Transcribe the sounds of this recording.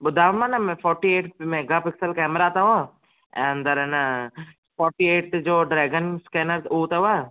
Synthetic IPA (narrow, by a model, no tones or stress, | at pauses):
ɓʊd̪ʱaːʋmanɐmẽfɔːɾʈieːʈmẽɡɐpɪksəlkɛːmɾat̪ɐʋõ | ɛ̃ːnd̪ɐɾɐn | fɔːɾʈieːʈ̚d͡ʑoːɖɾɛːɡənskeːnəɾut̪ɐʋa